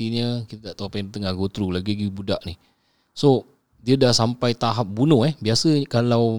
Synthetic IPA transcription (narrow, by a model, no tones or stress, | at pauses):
iɲəkit̪at̪aʔt̪opajnit̪əŋahɡot̪ɾulaɡiɡibudaʔnih | so | diədahsampajt̪aɦap̚bunʊhɛhbiasəkalaw